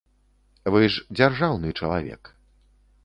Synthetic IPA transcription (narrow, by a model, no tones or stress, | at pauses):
vɨʂd͡zʲarʐawnɨt͡ʂɐlˠa̰vʲɛ̰k